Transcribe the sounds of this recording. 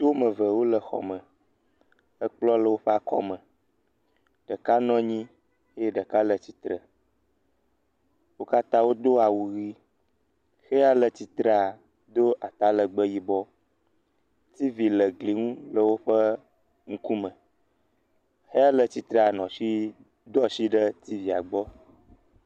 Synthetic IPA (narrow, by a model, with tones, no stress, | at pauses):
t̪o˦mə̃˨və˨wo˦lə˨xɔ̰˨mə̃˨ | ə˦k͡plɔ˦lə˦wo˦ɸe˦a˨kɔ̰˦mə̃˨ | ɖ̥ə˨ka˦nɔ̃˦ɲĩ˦ | e˦je˦ɖə˨ka˦lə˨t͡ɕi˨t̪ɾə˨ | wo˦ka˦t̪ã˦wo˦d̪o˦a˨wu˨ɣi˦ | xe˦a˦lə˨t͡ɕi˨t̪ɾə˦a˨ | d̪o˦ʔa˨t̪a˦lə˨ɡ͡bə˦ji˦bɔ˦ | t̪i˦vi˨lə˨ɡli˨ŋũ˦lə˦wo˦ɸə˦ | ŋũ˦ku˦mə̃˨ | xe˦a˦lə˨t͡ɕi˨t̪ɾe˦a˨nɔ̃˨ʃi˦ | d̪ɔ˦si˦ɖə˦t̪i˦vi˨a̰˨ɡ͡bɔ˦